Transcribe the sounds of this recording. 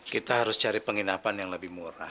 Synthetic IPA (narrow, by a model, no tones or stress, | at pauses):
kit̪aɦaɾʊst͡ʃaɾipəŋinapanjaŋləbɪhmuɾa̰